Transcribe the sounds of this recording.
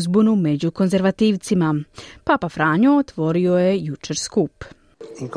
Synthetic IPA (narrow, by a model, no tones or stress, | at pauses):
zbunume̞d͡ʑuko̞nze̞ɾʋat̪iːʋt̪simapapafɾaːɲoot̪ʋo̞ɾiojejut͡ʃe̞ɾskuːp